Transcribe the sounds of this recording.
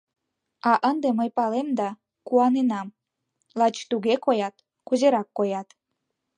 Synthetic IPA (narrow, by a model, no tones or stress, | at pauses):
ɑʔənd̪eməjpɑlemd̪ɑ | kuɑnenɑm | lɑt͡ɕt̪uɣekojɑt̪ | kuzeɾɑkːojɑt̪